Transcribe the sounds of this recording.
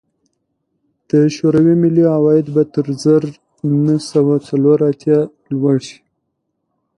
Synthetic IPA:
d̪̥əʃoɾawimɪliawɑjɪd̪bat̪əɾzəɾ | nəsawat͡saloɾat̪jɑ | lwaɽʃi̥

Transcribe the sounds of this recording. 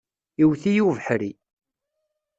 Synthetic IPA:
iwθijuvəħɾi

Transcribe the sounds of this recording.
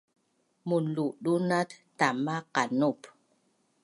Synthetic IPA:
muluɗunattamakanup

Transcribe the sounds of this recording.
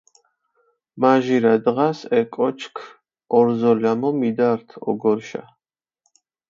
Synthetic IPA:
maʒiɾad̪ʁasɛkʼɔt͡ʃʰkʰ | ɔɾzɔlamɔmid̪aɾt̪ʰɔ̰ɡɔɾʃa̰

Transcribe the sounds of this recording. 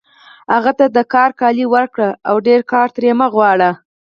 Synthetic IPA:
haɣat̪ad̪əkɑɾkɑliwəɾkɽəawɖeɾkɑɾt̪ɾemaɣwɑɽə

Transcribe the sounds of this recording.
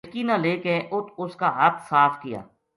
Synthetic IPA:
kiːnãːleːkeʔʊt̪ʰʊskaːɦɐt̪saːfkɪja̰ː

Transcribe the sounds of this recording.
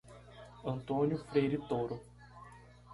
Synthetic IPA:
ɐ̃nt̪õnjʊfɾejɾit̪oɾʊ

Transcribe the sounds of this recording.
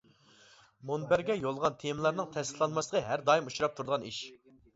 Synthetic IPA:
monbæɾɡʲɛjolˠʁɑnt̪ʰemlˠɑɾnɨŋt̪ʰɛsɪt̪lˠɑnmɑslˠəʁʰəɦæɾd̪ɑːimuʃuɾɑp̚t̪ʰuɾd̪əʁɑniʃ

